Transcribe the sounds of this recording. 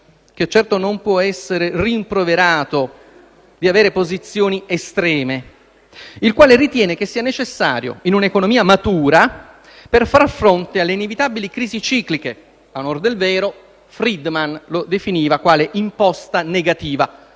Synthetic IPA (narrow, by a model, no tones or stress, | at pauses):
k̟et͡ʃːɛrt̪onompwɔɛsːeɾeriːmpɾoveɾaːt̪o | d̪iaveːɾepozit̪sːjoːniest̪ɾɛːme | ilkwaːlerit̪jɛːnek̟esːiːanet͡ʃesːa̰ːɾjo̰inunaekonomiːamat̪uːɾa | perfarfɾont̪ealːeinevit̪abilikɾiːzit͡ʃiːklike | anord̪elvɛːɾo | fɾid̪manlod̪efiniːvakwaːleʔimpɔst̪aneɡat̪iːva